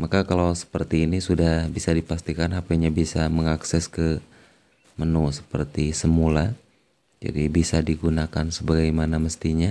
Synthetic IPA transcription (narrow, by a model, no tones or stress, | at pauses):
makakalawsə̥pərt̪iːnisudahbisadipast̪ikanapaɲabisaməŋaksɛskə | mənusə̥pərt̪isəmula | d͡ʒa̰dibisadiɡunakansəbaɡajmanaməst̪iɲa